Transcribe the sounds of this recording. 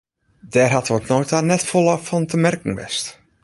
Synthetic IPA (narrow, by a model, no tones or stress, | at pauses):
dɛːrɦatʋɔtnojtanɛtfolˠəfɔntʰəmɛrkŋ̩ʋɛ̰st